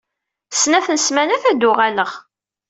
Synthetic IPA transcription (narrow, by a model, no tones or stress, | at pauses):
sːnæθənsmænæθæd̪ʊʁæləʁ